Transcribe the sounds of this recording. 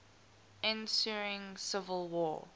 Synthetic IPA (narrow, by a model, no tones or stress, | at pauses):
ɪ̃nsuɹɪ̃ŋsɪvəlˠwɔ̰ː